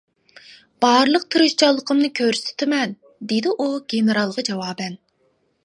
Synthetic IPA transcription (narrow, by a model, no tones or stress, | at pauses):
b̥ɑɾlˠəq̚t̪ʰɨɾɨʃt͡ʃʰɑlˠːəqʰəmnɨkʲʰøɾsɪ̥t̪ʰɪmɛn | d̪ed̪ɪʔuɡʲenɨɾɑlˠʁɑd͡ʒɛwɑːbɛn